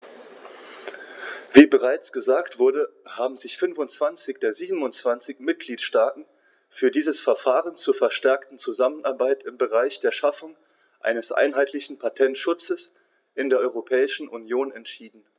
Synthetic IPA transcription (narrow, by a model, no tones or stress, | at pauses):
v̥iːbəʁ̞aɪt͡sɡ̥əzaːktv̥ʊɐdəhaːbm̩zɪçfʏnfʊntt͡sv̥ant͡sɪçd̥eːɐziːbm̩ʊnt͡sv̥ant͡sɪçmɪt̚ɡ̥liːtʃtaːtn̩ | fyːɐdiːzəsfɛɐfaːʁənt͡suːɐfɛɐʃtɛɐktn̩t͡suzamənʔaɐbaɪtɪmbəʁaɪçd̥eːɐʃafʊŋ | ʔa̰ɪnəsʔa̰ɪnɦaɪtʰlɪçn̩pʰatʰɛntʃʊt͡səs | ʔɪndeːɐʔɔʏʁopʰɛːɪʃn̩ʔunjoːnɛntʃiːdn̩